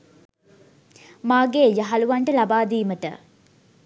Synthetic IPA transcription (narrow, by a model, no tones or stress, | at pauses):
maːɡeːjaɦaluʋaɳʈəlabaːd̪iːməʈə̰